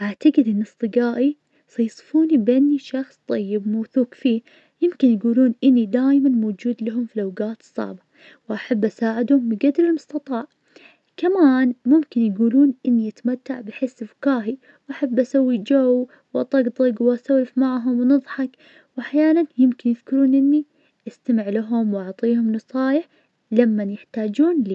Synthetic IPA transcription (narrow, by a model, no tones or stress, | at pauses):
ʔaʕt̪aɡɪd̪ʔɪnːɨsˤt̪ˤɨɡaːʔi | sˤɑjsˤfuːnibeːnːiʃɑxsˤt̪ˤɑjːɪbmawθuːkfiː | jɪmkɪnjɡuːluːnʔɪnːid̪aːjmanmowd͡ʒuːd̪laɦʊmfilawɡaːt̪ɨ̥sˤːɑ̰ʕba | wʔaħabːʔasaːʕɪd̪hʊmbɪɡad̪lɪlmʊst̪ɑt̪ˤɑːʕ | kamaːnmʊmkɪnjɡuːluːnʔɪnːiʔat̪amat̪ːaʕbɪħɪsːfkaːɦi | wʔaħabːʔasawːid͡ʒaw | wʔɑt̪ˤɑɡd̪ˤɪɡwʔasawlɪfmaʕɦʊmwnɨðˤħɑk | wʔaħjaːnanjɪmkɪnjɪðkɪɾuːnʔɪnːi | ʔast̪amɪʕlaɦʊmwʔɑʕt̪ˤiːhʊmnɨsˤɑːjɪħ | lamːanjɪħt̪aːd͡ʒuːnliː